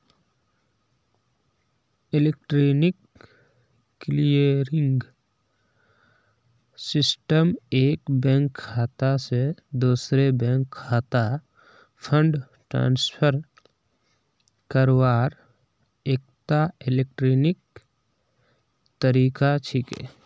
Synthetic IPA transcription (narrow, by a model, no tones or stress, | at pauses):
ɪlek̚ʈɾoːnɪk | lijəɾɪ̃ŋɡ | sɪsʈəmeːkbɛ̃ːŋkʰːaːt̪ased̪uːsɾebɛ̃ːŋkʰːaːt̪a | pʰə̃ɳɖ | ʈɾã̰ːnspʰəɾ | kəɾwaːɾ | eːk̚t̪aɪleːk̚ʈɾoːnɪk̚ | t̪əɾiːkat͡ʃʰikḛː